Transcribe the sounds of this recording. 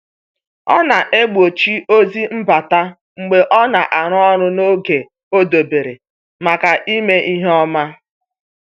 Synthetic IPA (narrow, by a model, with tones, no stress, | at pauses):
ɔ̰˦na˨ʔe˦ɡ͡bo˨t͡ʃi˦o˦zi˦m̩˦ba˨ta˦ | ŋ͡m̩˨ɡ͡be˨ʔɔ˦na˨ʔa˨ɾ̃ɔ˦ɾʊ˦no˦ɡe˨ | o˦do˨be˨ɾe˨ | ma˨ka˨ʔi˦me˦ʔi˦ɦɔ˦ma˦